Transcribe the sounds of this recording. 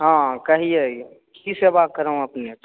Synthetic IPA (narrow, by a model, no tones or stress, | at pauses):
ɦãːkɐɦiɛ | kisebaːt̪̚kɐɾaũɐpnet̪